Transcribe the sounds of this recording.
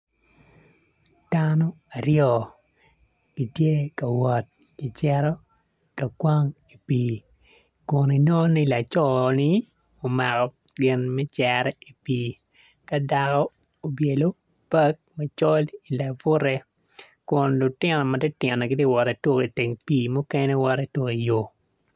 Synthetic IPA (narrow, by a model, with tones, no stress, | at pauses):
d̥anɔ˦ | a˨ɾjɔ˨ | ki˨tje˦ka˨wɔ˨t̚ | i˨t͡ʃɛ˦ɾɔ˦ | ka˨kwa˦ŋ | i˨piː˨ | kʊ˨ni˨nɔ˦ni˦˨la˨t͡ʃɔ˦nɪ˦ | o˨ma˨kɔ˨ | ɡɪ˨nmɛ˦t͡ʃɛɾɛ˦i˨piː˦ | ka˦da˦kɔ˦ | o˨bje˨lo˦ | pa˦k̚mɛ˨t͡ʃɔ˦li˨la˨vʊ˦ɾɛ˦ | kʊ˨nlʊ˨tɪ˦nɔ˨ma˨dɛ˦tɪ˨nɛ˨ɡɪ˦tje˦wɔ˨ɾɛ˨to˦ki˨te˨ŋpiː˦mʊ˦kɛ˦nɛ˦wɔ˦ɾɛ˦two˦ki˨jo˨